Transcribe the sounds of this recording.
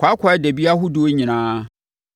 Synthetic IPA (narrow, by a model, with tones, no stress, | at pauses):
kʰʷa˨˦kʰʷa˨ɛ˦dɛ˨bi˦a˦ɦʊ˦du˦o˦ɲĩ˨nãː˦